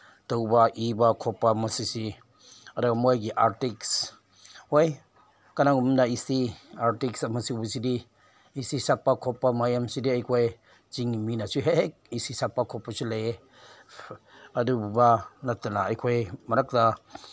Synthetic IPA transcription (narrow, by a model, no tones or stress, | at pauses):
tɔwbaʔibakʰɔpːamasisi | adaɡamɔjɡ̬iʔaɾtiks | hoj | kanaŋumnaisiaɾtiksamɐsibusidi | isisapːakʰɔpːamajamsidiajkʰɔj | t͡ʃiŋiminasuɦek̚isisapːakʰɔpːasule | adububanatanaajkʰɔjmɐɾak̚da